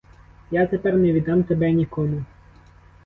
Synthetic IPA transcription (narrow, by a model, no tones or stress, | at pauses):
jat̪epɛrnɛʋʲid̪ɑmt̪ebɛnʲikɔmʊ